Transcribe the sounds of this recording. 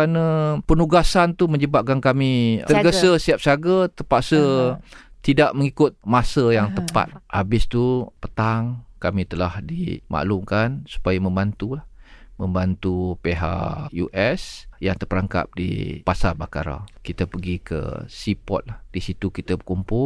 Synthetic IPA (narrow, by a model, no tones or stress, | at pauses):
anəpənuɡasant̪uməɲd͡ʒəbap̚ɡaŋkamit̪əɡəsəsiap̚saɡət̪əpaʔsə | t̪idaʔməŋikʊt̪̚masəjaŋt̪əpa̰t̪̚habɪst̪upə̥t̪aŋkamĩt̪əlahdḭmʔa̰ʔlʊmkansu̥pajamə̃mbant̪ulahmə̃mbant̪upeɦa̰ʔjṵʔɛsjaŋt̪əpəɾaŋka̰p̚dḭpasarbaka̰ɾa̰kit̪əpəɡikə̰sipɔ̰t̪̚lahd̥isit̪ukit̪əbəkumpʊ